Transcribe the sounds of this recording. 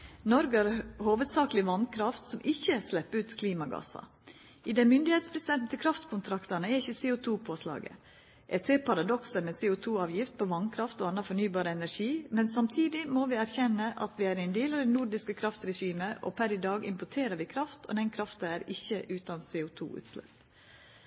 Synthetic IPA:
nɔɾɡɑɾhoːʋəd̪sɑːklɪʋɑnkʰɾɑft̪sɔmʔɪçəslɛpːəʉːt̪kʰliːmɑɡɑ̰sɑ̰ | ɪd̪ɛmʏnd̪ɪheːt̪spʰɾɛst̪d̪ɛnt̪n̩t̪ʰɪkʰɾɑft̪kʰʊnt̪ʰɾɑkt̪ɑnəæɾɪçəseːʊt̪ʰuːpʰoːslɑ̰ːɡə̰ | ʔæseːɾpʰɑɾɑd̪ɔksəmɛseːʊt̪ʰuːɑːʋjɪft̪̚pʰɔʋɑnkʰɾɑft̪oːɑnːɑfɔɳyːbɑːɾəɛnæɾʂiːmɛnsɑmt̪ʰiːd̪ɪmoːʋɪːæɾçɛnːəʔɑ̰t̪ʋɪæːɾɛnd̪eːlɑd̪ɛnʊɾɖɪskəkʰɾɑft̪ɾɛɕiːməʔo̰pʰæɾɪd̪ɑːɡɪ̰mpɔʈʰeːɾəɾʋɪkʰɾɑft̪ʰɔ̰d̪ɛnkʰɾɑft̪ɑæɾɪçːəʔʉːt̪ɑnseːʊt̪ʰṵːʉ̰ːt̪slɛ̰p

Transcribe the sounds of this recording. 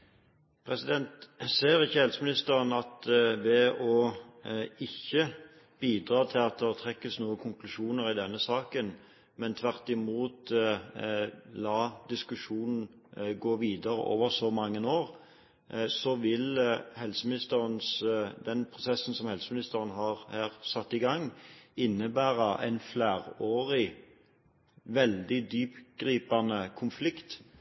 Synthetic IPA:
pʰʁɛsɪd̪ɛnt̪seːʁɪçːəhɛlsəmɪnɪst̪əʁənɑt̪ʋɛɔ | ɪçːə | b̥iːd̪ʁɑːt̪ʰɪlɑt̪̚d̪ɛʁt̪ʰʁɛkːəsnuːəkʰʊŋklʉʃuːnəʁɪd̪ɛnːəsɑːkən | mɛnt̪ʰʋæʁt̪ɪmuːt̪ | lɑːd̪ɪskʉʃuːnn̩ | ɡoːʋiːd̪əʁə̰ʔo̰ːʋəʁsɔmɑŋːənoːʁ | sɔʋɪlhɛlsəmɪnɪst̪əʁənsd̪ɛnpʰʁʊsɛsːn̩sɔmhɛlsəmɪnɪst̪əʁənɦɑːʁhæːʁsɑt̪ːɪɡɑŋːɪnːəbæːʁɑʔɛ̰ɪnflæːʁoːʁɪ | ʋɛld̪ɪd̪yːpɡ̥ʁiːpɑnəkʰʊnflɪkt̪

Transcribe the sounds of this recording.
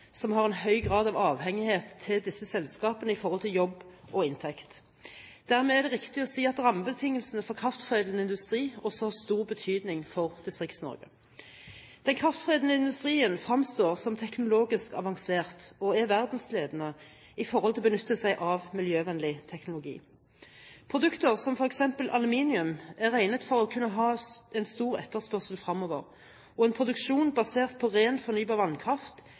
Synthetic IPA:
sɔmhɑʁɛnhœʏɡʁɑːd̪ɑʋɑːʋhɛŋːɪheːt̪ʰːɪld̪ɪsːəsɛlskɑːpənəɪfɔʁhɔlt̪ʰɪljɔbːʔɔɪnt̪ʰɛkt̪ | d̪̥æʁmɛːæʁd̪ɛʁɪkt̪ɪɔsiːɑt̪ʁɑməbət̪ʰɪŋːəlsənəfɔʁkʰʁɑft̪fʁeːd̪lnəɪnd̪ʉst̪ʁiːɔsɔhɑʁst̪uːʁbət̪ʰyːd̪nɪŋfɔʁd̪ɪst̪ʁɪkt̪snɔ̰ʁɡə̰ | d̪̥ɛnkʰʁɑft̪fʁeːd̪l̩əɪnd̪ʉst̪ʁiːənfʁɑmst̪oːʁsɔmt̪ʰɛknʊloːɡɪskɑʋɑŋseːʁt̪ɔæʋæʁd̪n̩sleːd̪ənə | ɪfɔʁhɔlt̪ɪlɔbənʉt̪ːəsæɪʔɑʋmɪljøːʋɛnlɪt̪ʰɛknʊlʊɡḭː | pʰʁʊd̪ʉkt̪əʁsɔmfɔʁɛksɛmpəlʔɑlʉmiːnɪʉmæʁæɪnət̪fɔʁɔkʰʉnːəɦɑːɛnst̪uːʁɛ̰t̪ːəspœʁsəlfʁɑmːoːʋə̰ʁ | ɔɛnpʰʁʊd̪ʉkʃuːnbɑseːʁt̪̚pʰɔʁeːnfɔʁnyːbɑːʁʋɑnkʰʁɑft̪

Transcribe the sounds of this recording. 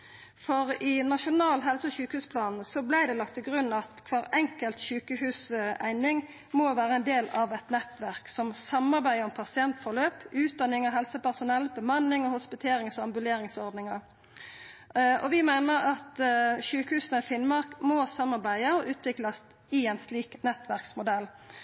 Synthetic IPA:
fɔʁɪnɑʃʊnɑːlɦɛlsəɔɕʉːkəhʉːspʰlɑːnn̩sɔblæɪd̪ɛlɑk̚t̪ʰːɪlɡʁʉnːɑt̪kʰʋɑːɾɛŋkəlt̪ʃʉːkəhʉːsæ̰ɪnɪŋ | mɔʋæːʁəɛnd̪eːlɑʋɛt̪nɛt̪ʋæʁksɔmsɑmɑɾbæɪɔmpʰɑsɪɛnt̪fɔʁløːpʉːt̪̚d̪ɑnɪŋɑɦɛlsəpæʁsʊnɛlːbəmɑnːɪŋɔhʊspɪt̪ʰeːɾɪŋsɔɑmbʉleːɾɪŋsɔɾd̪nɪŋɑɾ | ɔʋɪmæɪnəɾɑt̪ʃʉːkəhʉːsnɛfɪnmɑɾkmɔsɑmːɑɾbæɪəɔʔʉːt̪ʋɪklɑs | ɪɛɪnsliːknɛt̪ːʋæʁksmʊd̪ɛlː

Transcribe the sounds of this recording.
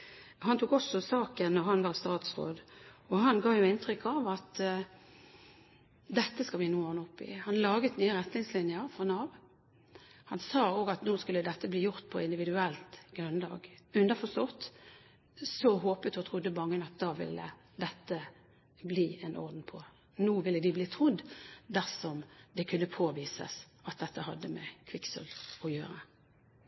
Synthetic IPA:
hɑnt̪ʰuːkɔsɔsɑːkənːɔʁɦɑnʋɑʁst̪ɑːt̪sʁo̰ːd̪ɔhɑnɡɑːʋjʊɪnt̪ɾʏkːɑʋɑt̪ | d̪ɛt̪ːəskɑlʋɪnuːɑnɔpːɪ̰hɑnlɑːɡət̪nyːəʁɛt̪nɪŋslɪnjəʁfɔnɑʋ | hɑnsɑːoːɡɑt̪noːskʉlːəd̪ɛt̪ːəbliːjʊʁt̪̚pʰɔɪnd̪ɪʋɪd̪ʉɛlt̪ɡ̥ʁʉnd̪ɑ̰ːɡʉnd̪əʁfɔst̪ɔt̪ | sɔɦoːpət̪ɔt̪ʰʁʊd̪ːəbɑŋːənɑt̪̚d̪ɑːʋɪ̰lːə̰ | d̪ɛt̪ːə | bliːɛnɔ̰ʁd̪n̩pʰɔ | nuːʋɪlːəd̪ɪbliːt̪ʰʁʊd̪ːd̪æʁsɔmd̪ɛkʰʉnːəpʰoːʋiːsə̰s | ɑt̪̚d̪ɛt̪ːəhɑd̪ːəmɛkʰʋɪksɔ̰lɔjøːɾə

